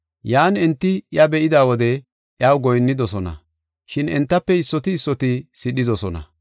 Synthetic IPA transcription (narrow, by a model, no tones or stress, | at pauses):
jaːnɛnt̪ːɪjɐbɛʔɪd̪aːwɔd̪ɛ | ʔjaːwɡɔjnːɪd̪ɔsɔnɐ̰ | ʃɪnɛnt̪ːɐpːɛɪsːɔt̪ɪːsːɔt̪ɪsɪɗɪd̪ɔsɔnɐ̰